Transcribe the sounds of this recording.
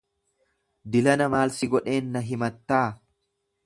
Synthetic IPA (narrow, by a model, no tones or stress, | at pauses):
d̪ɪlɐnɐmaːlsɪɡɔᶑe̞ːnːɐɦɪmɐt̪ːaː